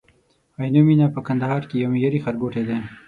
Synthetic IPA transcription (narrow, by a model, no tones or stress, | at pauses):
ajnominapəkɐnd̪aɦɑːɾkijomijɐɾixɐɾɡoːʈed̪ẽː